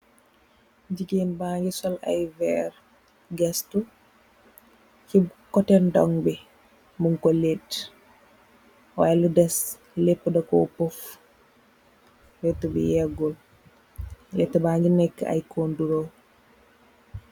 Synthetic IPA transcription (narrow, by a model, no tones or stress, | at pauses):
ɟiɡeːnbaːŋɡisɔla̰jvɛɾ | ɡɛstu | kikɔtɛndɔ̰ŋbi | muŋkɔlet | wajludɛs | lepːdɐkɔ̰pɔf | wɛtːubḭjɛɡɔl | letːɐbaːɲɡinɛkːa̰jkoːnduɾo